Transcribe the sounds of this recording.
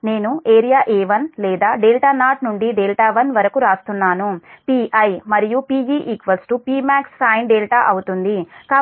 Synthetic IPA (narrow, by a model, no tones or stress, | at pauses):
ne̞ːnuʔeːɾijaːʔeːʋɐnlɛːd̪aːɖeːlʈaːnaːʈnuɳɖiɖeːlʈaːʋɐnʋɐɾɐkuɾaːst̪unːaːnupiːʔɐjmɐɾijupiːd͡ʒiːʔikʋɐsʈupiːmaːksːaːjnɖeːlʈaːʔɐwut̪und̪ikaː